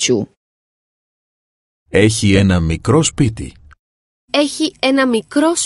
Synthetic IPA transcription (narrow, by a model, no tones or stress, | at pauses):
t͡ɕu | e̞çie̞nɐmikɾo̞spit̪ḭ | e̞çie̞nɐmikɾo̞s